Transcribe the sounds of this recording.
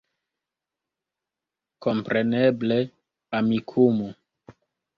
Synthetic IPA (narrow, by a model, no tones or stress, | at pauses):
ko̞mpɾeneble | amikʰumu